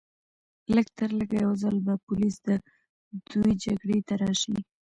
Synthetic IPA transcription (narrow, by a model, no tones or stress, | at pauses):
ləɡt̪əɾləɡajawzəlbapʊlisd̪ə | d̪̥ujd͡ʒaɡɽet̪aɾɑʃi